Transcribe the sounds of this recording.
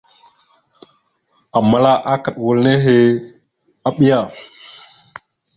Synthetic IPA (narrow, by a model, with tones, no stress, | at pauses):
a˨ma˨la˦ʔa˦ka˨ɗwo˨lne˦ɦe˨ | a˦ɓi˦ja˦˨